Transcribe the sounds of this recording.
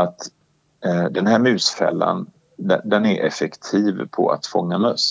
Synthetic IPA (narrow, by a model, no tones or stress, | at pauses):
at̪ | d̪ɛnhæːɾmʉ̟ːsfɛ̰lːa̰n | d̪ɛd̪ɛnæɾʔɛfɛkt̪ʰiːvpʰɔ̰a̰t̪fɔŋːamœs